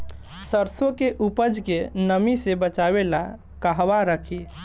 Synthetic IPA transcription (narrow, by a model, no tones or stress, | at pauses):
səɾsokeʔupəd͡ʒkenəmisebət͡ʃabela | kəɦʋaɾəkʰi